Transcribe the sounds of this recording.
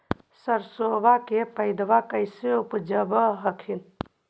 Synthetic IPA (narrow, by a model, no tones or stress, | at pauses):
səɾsobakepəɪd̪ʋakəɪseupd͡ʒəbəɦəkʰin